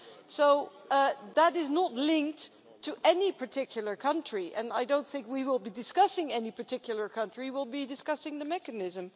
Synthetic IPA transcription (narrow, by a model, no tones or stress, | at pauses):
soʊ | ðəɾɪznətˡlɪ̃ŋk̚tʰː | ɨʔɛnipʰə˞tʰɪkʰjl̩ˠə˞kʰʌ̃nt͡ʃɹ̥iʔɨ̰̃naɪdõʊ̃nθɪ̃ŋkwiwɪlˠbidɨskʌsɪ̃ŋɛnipʰə˞tʰɪkʰjl̩ˠə˞kʰʌ̃nt͡ʃɹ̥iwɪlˠbidɨskʌsɪ̃ŋðɨmɛkɨnɪzɨ̃m